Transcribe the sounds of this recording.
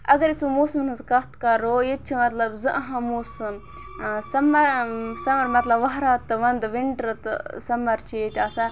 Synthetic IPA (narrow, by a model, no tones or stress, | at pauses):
ɐɡɐɾit͡sumoːsmnɨzkɐt̪kɐɾːoːjet͡ʃʰimɐt̪lɐbzɨʔɐɦɐ̃moːsɨ | sɐmɐɾsɐmɐɾmɐt̪lɐbʋɐɦɾaːt̪ːɨʋɐnd̪ʋiɳʈɾɐt̪ɨ̰sɐmːɐɾt͡ʃʰiet̪ʲaːsa